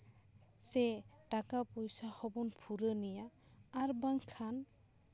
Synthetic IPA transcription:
sɛtakapɔjsahɔbɔnpʰuɾənijaː | ɾbaŋkʰan

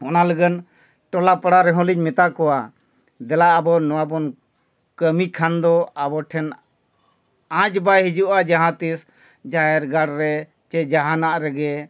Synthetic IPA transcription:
ɔnaləɡən | ʈɔlapəɽaɾɛɦɔ̃liɲ̚mɛt̪akɔwa | d̪ɛlaʔːbɔnɔwabɔn | kəmikʰand̪ɔabɔʈʰɛn | ãd͡ʒbajɦid͡ʒuʔad͡ʒaɦãt̪is | d͡ʒajɛɾɡaɽɾɛ | t͡ʃɛd͡ʒaɦanaʔɾɛɡɛ

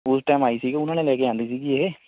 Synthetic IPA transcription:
ʊsʈaːmaːisiɡeʊnãːnẽlɛːkeãːnd̪isikiee

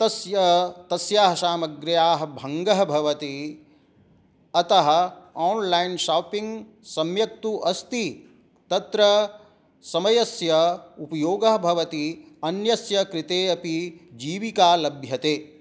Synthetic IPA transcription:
t̪ɐsjɐt̪ɐsjaːɦɐʃaːmɐɡɾjaːɦɐ̆bʱɐŋɡɐɦɐbʱɐʋɐt̪i | ɐt̪ɐɦɐ̆aːnlɐjnʃaːpiŋɡ | sɐmjɐk̚t̪uʔɐst̪i | t̪ɐt̪ɾɐ | sɐmɐjɐsjɐupɐjoːɡɐɦɐbʱɐʋɐt̪i | ɐnjɐsjɐkɾit̪eːɐpid͡ʒiːʋikaːlɐbʱjɐt̪eː

